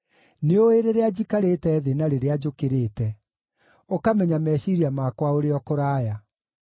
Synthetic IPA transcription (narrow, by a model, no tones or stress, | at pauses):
neoeɾeɾead͡ʑikaɾetɛːðenaɾeɾead͡ʒokeɾeːtɛ | okamɛɲamɛɕiɾiamakwaoɾeɔkoɾaːja